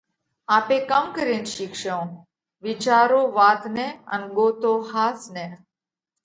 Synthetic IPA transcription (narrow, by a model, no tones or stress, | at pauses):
aːpẽkəmkəɾiːnʃikʃəw̃ | ʋɪt͡ʃaːɾoːʋaːt̪neə̰nɡoːt̪oːhaːsneː